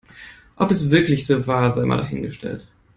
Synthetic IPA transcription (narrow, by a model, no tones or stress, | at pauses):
ʔɔpɛsv̥ɪɐklɪçz̥oːvaːɐzaɪmʔa̰ndaɦɪnɡəʃtʰɛ̰lt